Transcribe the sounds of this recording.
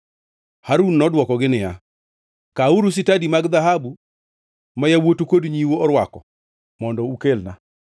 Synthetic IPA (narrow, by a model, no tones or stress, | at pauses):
haɾunːɔdwɔkɔɡɪnɪja | kauɾus̬ɪtadimaɡd̪aɦabu | majawotokodɲiwoɔɾwakɔ | mɔndɔukelna